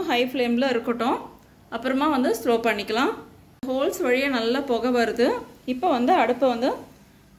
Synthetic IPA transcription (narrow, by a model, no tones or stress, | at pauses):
ɦɐɪfleːmblɐɪɾɯkːɯʈːʊ̃ː | ɐpːɯɾɐmaːʋɐnd̪ɯsʈ̪ɾoːpɐɳːɪkːɐlãː | ɦoːlsʋɐɻɪjɐnɐlːaːpoːɣɐʋaɾɯðɯɪpːoːʋɐnd̪ɯɐɽɯpːɐʋɐnd̪ɯ